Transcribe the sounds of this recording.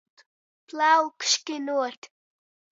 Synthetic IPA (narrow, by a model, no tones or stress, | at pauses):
plawkʃkɪnut̪